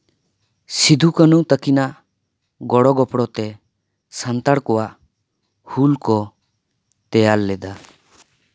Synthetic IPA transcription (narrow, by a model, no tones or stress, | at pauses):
sid̪ʱukənut̪əkinaʔ | ɡɔɽɔɡɔpɽɔt̪ɛ | sant̪aɽkɔwaʔ | hulkɔ | t̪ɛjalːɛd̪a